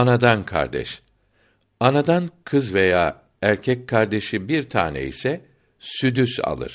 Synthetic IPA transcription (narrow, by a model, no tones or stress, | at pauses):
anad̪ankʰa̰ɾd̪ɛ̰ʃ | anad̪ankʰɯzve̞jaː | æɾcʰɛc̚kʰaɾd̪e̞ʃibiɾt̪ʰa̰ːnɛ̰ḭsɛ | syd̪ysa̰lˠɯ̰ɾ̥